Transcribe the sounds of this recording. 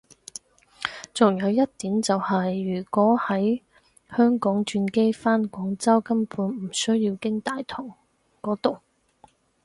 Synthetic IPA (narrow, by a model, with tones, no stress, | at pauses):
t͡sʊ˨ŋjɐ˨˧wjɐ˥t̚t̪iː˨˥mt͡sɐ˨whɐ˨jːyː˨˩kʷɔː˨˥hɐ˨˥j | hœː˥ŋkɔː˨˥ŋt͡ʃyː˧nke˥jfaː˥nkʷɔː˨˥ŋt͡sɐ˥wkɐ˥mpʰuː˨˥n̩˨˩sɵ˥ɥjiː˧wkɪ˥ŋt̪aː˨jt̪ʰʊ˨˩ŋ | kɔː˨˥t̪o˨w